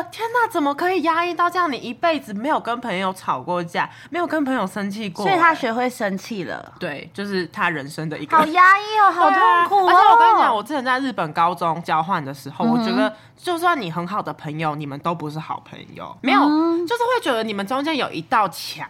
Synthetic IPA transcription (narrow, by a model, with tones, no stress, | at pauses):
t̪ʰjɛ˥nt̪a˥˩t͡sə˨˩nmə˨kʰɤ˧˥i˨˩ja˦˥i˥˧t̪ɑ˥˧ʊʈ͡ʂjɑ˥˩ŋi˨i˧˦pe˥˩ɪd͡zɹ̩˨˩me˧˥ɪjo˨˩ʊkə˦˥npʰə˧˥ŋjo˧˩ʊʈ͡ʂʰɑ˨˩ʊkwɔ˥˧ɕja̰˥˩me˧˥ɪjo˨˩ʊkə˦˥npʰə˧˥ŋjo˨˩ʊʂə˥nt͡ɕʰi˥˧kwɔ˥˨˩a˦˥ɕɛ˧˥xwe˥˩ɪʂə˦nt͡ɕʰi˥˩lə̰˨˩t̪we˥˩ɪt͡ɕjo˥˧ʊʂɻ̩˥˩t̪ʰa˦ɻə˧˥nʂə˦ŋd̪ə˨ʔḭ˧ɡɑ˨ə˧˩ʊja˥i˥˩˧xɑ˨˧˨ɛ˥˩wɔ˧ka˥˩t͡ɕjɑ˨˦ŋwɔ˨˩t͡sɹ̩˥˩t͡ɕʰɛ˧˥nt͡sa˥˧ɪɻ̩˥˩pə˨˩nkɑ˦ʊt͡sʊ˦ŋt͡ɕjɑ˦ʊxwa˥˩nd̪ə˩ʂɻ̩˧˥xo˥˩ʊwɔ˨˩ʈ͡ʂə˥˧˩ɡə˨ | t͡ɕjo˥˧ʊsswa˥˩ni˨˩xə˧˥nxɑ˨˩ʊd̪ə˦pʰə˧˥ŋjo˨˧ʊni˨˩mə˦nt̪o˥ʊpu˧˥ʂɻ̩˥˩xɑ̰˨˩ʊpʰə̰˧˥ŋjo̰˨ʊme˧˥ɪjo˨ʊt͡ɕjo˥ʊʂɻ̩˥˩xwe˥˩ɪt͡ɕɥɛ˧˥d̪ə˧ni˨˩mə˨nʈ͡ʂo˥ŋt͡ɕjɛ˥njo˨˩ʊʔi˧˥t̪ɑ˥˩ʊt͡ɕʰjɑ̰˧˦